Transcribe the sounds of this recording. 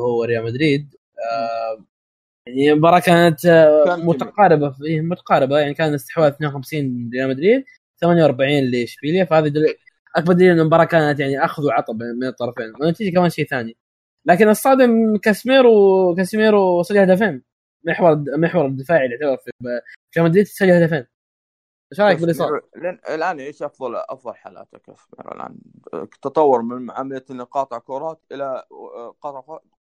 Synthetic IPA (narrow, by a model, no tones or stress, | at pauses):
hʊwːaɾɪjaːlmad̪ɾiːd̪̚ | a | jaʕniɪmbɑɾˤɑːkaːnat̪mʊt̪aqɑːɾɪbafiːhmʊt̪ḁqɑːɾɪbajaʕnikaːnɪst̪ɪ̥ħwaːlθneːnwxamsiːnɾɪjaːlmad̪ɾiːd̪̚ | θamanjawʔɑɾˤbaʕiːnlɪʃfiːljafahaːðid̪a | ʔak̚bɑɾˤd̪iːʔɪnːɪmbɑɾˤɑːkaːnat̪jaʕniʔaxʊðuwʕɑt̪ˤɑbmɪnɨt̪ˤːɑɾˤɑfeːnwɪnːat̪iːd͡ʒakamaːnʃeːθaːni | laːkɪnʔɑsˤːɑːd̪ɪmkasmiːɾwkasmiːɾwsˤɑd͡ʒːalhad̪afeːn | mɪħwɑɾˤmɪħwɑɾˤɪd̪ɪfaːʕilɪʕt̪abɑɾˤfibkamad̪liːt̪t̪sad͡ʒːalhad̪afeːn | ʃɑɾˤɑjakbɪlʔisˤɑːleɪlʔaːnaʕiːʃʔɑfðˤɑlʔɑ̰fðˤɑlħaːla̰ːt̪akasmḭːɾɪ̰lʔa̰ːn | t̪ɑt̪ˤɑwːɑɾˤmɪnʕamalanqɑːt̪ˤɑʕkoɾˤɑːt̪ʔɪlaqɑt̪ˤʕfa